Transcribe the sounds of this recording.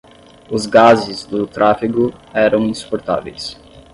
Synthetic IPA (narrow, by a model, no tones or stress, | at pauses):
ʊzɡazɪzd̪ʊt̪ɾʔafiɡʊɛɾɐ̃w̃ĩsu̥poɾt̪a̰vḛjs